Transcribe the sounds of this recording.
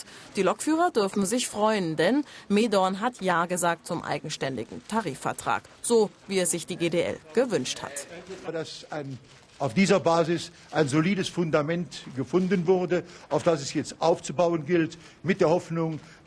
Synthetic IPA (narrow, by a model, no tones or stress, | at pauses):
d̥iːlɔkfyːʁɐdʏɐfn̩zɪçfʁ̥ɔʏəndɛnmeːdɔnɦatʰjaːɡəzaːk̚tt͡sʊmʔa̰ɪɡŋ̩ʃtɛndɪ̰ɡŋ̩tʰaʁiːfɛɐtʁ̥a̰ːk | z̥oːviːɛsz̥ɪçd̥iːɡeːdeːʔɛ̰lɡ̥əvʏnʃtha̰taɐdasaɪn | ʔaʊfd̥iːzɐbaːzɪs | ʔaɪnzoliːdəsfʊndamɛntɡ̥əfʊndənvʊʁdəʔaʊfd̥asɛsjɛt͡stʔaʊft͡subaʊənɡɪlt | mɪt̚d̥eːɐhɔfnʊŋ